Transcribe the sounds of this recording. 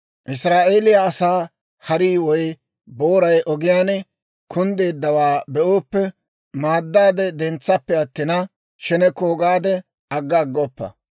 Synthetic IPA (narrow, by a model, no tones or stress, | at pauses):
ʔɪsɾaːʔe̞ːlɪjaɐsaː | hɐɾiːwɔj | boːɾɐjʔɔɡɪjaːnɛ | kʰʊnd̪eːd̪ːɐwaːbɛʔoːpːɛ | maːd̪ːaːd̪ɛd̪ɛnt͡sːɐpːɛɐt̪ːɪnɐ | ʃɛnɛkoːɡaːd̪ɛ | ɐɡːɐɡːɔpːɐ̰